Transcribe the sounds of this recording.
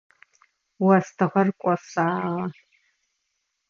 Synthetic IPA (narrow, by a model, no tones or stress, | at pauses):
wɐstʰɨʁɐrkʷʼɔsaːʁɐ